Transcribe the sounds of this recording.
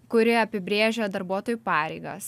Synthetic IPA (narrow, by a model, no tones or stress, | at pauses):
kʊɾʲɪɐpʲɪbʲɾʲeːʒʲɛd̪ɐɾbuɔt̪oːjupɑːɾʲɛɪɡɐ̰s